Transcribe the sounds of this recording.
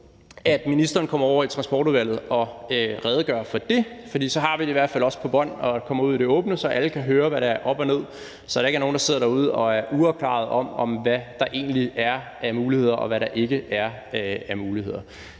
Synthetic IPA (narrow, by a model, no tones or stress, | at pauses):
æd̥minisd̥ɐːnkʰɒ̽m̰ɐɒʊ̰ɐit͡sʰʁɑ̈nsb̥ɒːɾ̥uðˠʋæl̰ð̩ˠɒ̽ʁɛːðˠəɡ̥ɶ̰ːɐfɒ̽d̥e̝fɒ̽d̥ḭːsɒ̽ɦɑ̈ʋideiʋæɐ̥fælɒ̽spʰɒ̽b̥ɒn̰ɒ̽kʰɒ̽mɐuð̞̰ˠide̝ɔ̽ːb̥nəsɒ̽ʔæləkʰæɦøːɐʋæɾɑ̈æɐʔɒ̽b̥ɒ̽ne̝ð̞̰ˠ | sɒ̽d̥ɑe̝ɡæɐno̝ːnd̥ɑ̈se̝ð̞̰ˠɐɾ̥ɑ̈uð̞̰ˠɒ̽æɐʔuɒʊ̥kʰlɑ̰̈ð̞̩ˠɒ̽mɒ̽mʋæd̥ɑ̈ʔe̝̰ːnliæɐʔæmuːlihe̝ð̰ˠɐʔɒ̽ʋæɾɑ̈ʔe̝ɡ̥əæɐ | æɐmuːlihe̝ð̞̰ˠɐ